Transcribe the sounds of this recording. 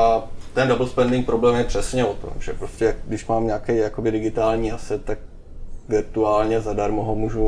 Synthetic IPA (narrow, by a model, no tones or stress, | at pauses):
at̪ɛndabl̩spɛndɪŋk̚pɾo̞blɛːmjɛpr̥ɛsɲɛot̪o̰mʒ̥ɛpɾoscɛjakdɪʃmaːmɲaːkɛjjakobɪdɪɡɪt̪aːlɲiːʔasɛt̪ːak̚ | vɪɾt̪uaːlɲɛzadaɾmoɦomuːʒu